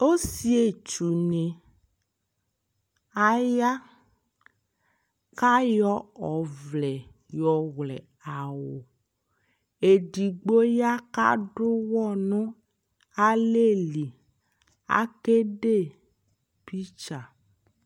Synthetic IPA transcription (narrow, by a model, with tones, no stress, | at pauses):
o˦si˦e˨t͡ʃu˨ne˨ | a˨ja˦ | ka˦jɔ˦ɔ˨vlɛ˨ | jɔ˨ɣlɛ˨ | a˨wo˨ | e˨ɖi˨ɡ͡bo˦ja˦ka̰˦ɖʊ˦wɔ˦nɔ̃˦ | a˦le˦˨li˨ | a̰˨ke˦ɖe˦˨ | pi˦t͡ʃa˨